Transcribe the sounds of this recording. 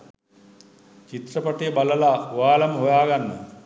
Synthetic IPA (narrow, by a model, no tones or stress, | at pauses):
t͡ʃit̪rəpɐʈibaləlauʋaːlamɦojaːɡanːə